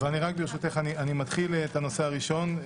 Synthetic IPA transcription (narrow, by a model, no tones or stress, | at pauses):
veaniʁak̚beʃut̪eχanianimat̪χilt̪ano̞se̞aʁiʃo̞n